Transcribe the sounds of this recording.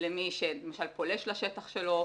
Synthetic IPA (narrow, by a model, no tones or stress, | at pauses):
lemiʃelemaʃalpo̞leʃlaʃet̪aχʃelo̞